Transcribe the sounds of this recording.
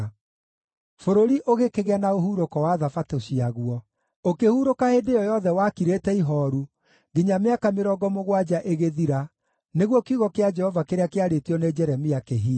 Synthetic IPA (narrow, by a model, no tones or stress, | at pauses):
foɾoɾiʔoɣekeɣeanaoɦuɾokɔwaðafatoɕiaɣwɔ | okehuɾokaedejɔjɔðɛwakiɾeːtɛiɦɔːɾu | ɡeɲameakameɾɔːɡɔmoɣwad͡ʒaʔeɣeðiɾa | neɣwɔkuɣɔkead͡ʒɛhɔvakeɾeakeaɾetiɔned͡ʒɛɾɛmiakeɦi